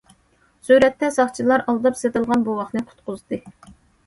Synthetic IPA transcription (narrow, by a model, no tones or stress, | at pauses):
syɾɛt̪ːɛsɑχt͡ʃʰilˠɑɾɑlˠd̪ɨpset̪ɨlˠʁɑnbuwɑχnɨqʰʊ̥t̪qʊzd̪ɨ